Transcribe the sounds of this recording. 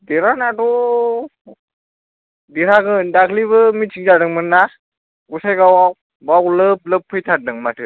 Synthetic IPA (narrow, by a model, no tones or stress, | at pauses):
diɾanadɔ | diɾaɡɯndakʰliβɯmit͡ʃʰiŋd͡ʒadɯŋmɯnːa | ɡusajɡawaw | bawlɯp̚lɯpʰːɯjtʰan̚dɯŋmatʰɯ